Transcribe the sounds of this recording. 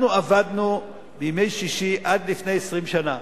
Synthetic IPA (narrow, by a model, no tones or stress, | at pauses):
nuavadnu | bejmejʃiʃiʔadlifne̞jesʁimʃana